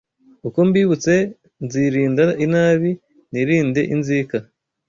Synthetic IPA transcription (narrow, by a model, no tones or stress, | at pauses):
uko̞mbiːβut͡se̞ | nziɾiːndainaːβi | niɾiːnde̞̰ʔinziːka